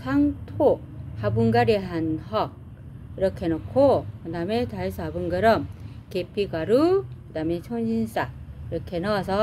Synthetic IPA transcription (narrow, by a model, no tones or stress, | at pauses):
sʰaŋtʰo | habuŋɡaɾiɦanhʌk̚ | iɾʌkʰenʌkʰokɯdametaesʰɯabɯŋɡɯɾʌmkepʰikaɾukɯdamet͡ɕʰonɕins͈aiɾʌkʰenʌasʰʌ